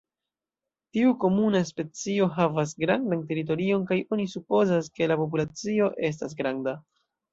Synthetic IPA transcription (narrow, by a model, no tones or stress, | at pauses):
tiuko̞munaspe̞t͡sio̞ɦavas̬ɡɾandante̞ɾit̬o̞ɾio̞nkajo̞nisupo̞zaske̞lapo̞p̬ulat͡sio̞ʔe̞s̬tas̬ɡɾanda